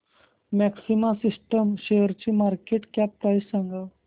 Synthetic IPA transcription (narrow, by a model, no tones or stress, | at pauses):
mɛksimasisʈəmɕejəɾt͡ɕimaɾkeʈkɛp̚paissãŋɡaw